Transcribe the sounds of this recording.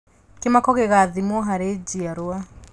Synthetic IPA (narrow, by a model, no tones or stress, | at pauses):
kemakɔɣeɣaðimwɔɦaɾed͡ʒiaɾoa